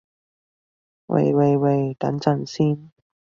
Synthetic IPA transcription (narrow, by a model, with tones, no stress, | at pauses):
wḛ˨˩jwe˨˧jwe˨˩jt̪ɐ̰˨˥nt͡sɐ˨˩nsiː˥n